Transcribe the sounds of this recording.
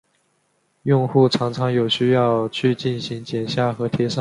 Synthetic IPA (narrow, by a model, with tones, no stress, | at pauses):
jʊ˥˧ŋxu˥˩ʈ͡ʂʰɑ˧˥ŋʈ͡ʂʰɑ˧˥ŋjo˨˩ʊɕy˥jɑ˥˧ʊt͡ɕʰy˥˧t͡ɕi˥˩nɕi˧˥ŋt͡ɕjɛ˨˩nɕja˥˩xɤ˧˥t̪ʰjɛ˧˥ʂɑ˥˩